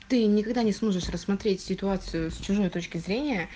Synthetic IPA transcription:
t̪ɨnʲɪkɐɡd̪anʲɪsmo̞ʐɨʂrəsːmɐt̪ɾʲetʲsʲɪt̪ʊat̪sɨjʊst͡ɕʊʐo̞jt̪o̞t͡ɕkʲɪzɾʲenʲɪjə

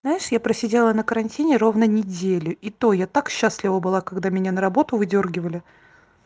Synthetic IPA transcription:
znajɪʂjapɾəsʲɪdʲelˠənəkəɾɐnʲtʲinʲɪɾo̞vnənʲɪdʲelʲʊit̪o̞jat̪akɕːaslʲɪvəbɨlˠakɐɡd̪amʲɪnʲanəɾɐbo̞t̪ʊvɨdʲo̞rɡʲɪvəlʲɪ

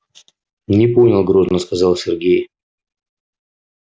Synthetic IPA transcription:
nʲɪponʲɪlˠɡɾoznəskɐzɑlˠsʲɪrɡʲej

